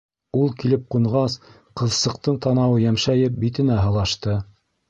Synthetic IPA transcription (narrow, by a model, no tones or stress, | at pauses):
ulˠkilɘp̚quɴʁɑs | qɤ̆ðsɤ̆q̚t̪ɤɴt̪ɑnɑwɤjæmʃæjɘp̚bit̪ɘ̆næɦɤ̆lˠɑʃt̪ɤ